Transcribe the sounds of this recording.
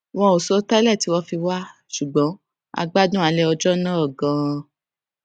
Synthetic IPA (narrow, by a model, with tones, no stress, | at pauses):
w̃ɔ̃˧o˨so˦ta˦lɛ˦˨ti˨˦wɔ̃˧fi˧wa˦ | ʃu˨ɡ͡bɔ̃˨˦ | a̰˧ɡ͡ba˦dũ˦a˧lɛ˦ɔ˧d͡ʒɔ˦nãː˦ɔ˦˨ɡã˨˧